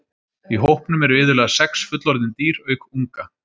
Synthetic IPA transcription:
iɦowhpnʏmɛɾʏɪːðʏlɛːɣasɛksfʏt̪lɔɾðɪnt̪iːɾœːɥkuŋka

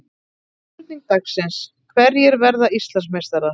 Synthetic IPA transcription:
ɾt̪iŋ̚t̪aksɪns | kʰvɛɾjɛɾvɛɾðaist̪lansmejst̪aɾa

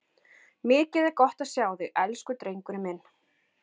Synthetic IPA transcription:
mɪːcɛðɪkɔht̪asjaːwðɪʔɛlskʏt̪ɾejŋkʏɾɪmɪn

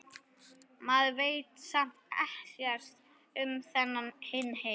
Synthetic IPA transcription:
maðveːjt̪sam̥t̪ɛhsjɛr̥st̪ | ʏmθɛnːanhɪnːheː

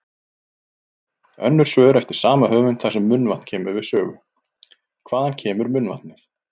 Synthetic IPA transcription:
œ̰nːʏɾ̥svœːðʏɾɛft̪ɪɾ̥saːmahœːvʏnθasɛmːʏnvann̥cʰɛːmʏɾvɪðsœːɣʏ | kʰv̥aːðancʰɛːmʏɾmʏnva̰nɪθ

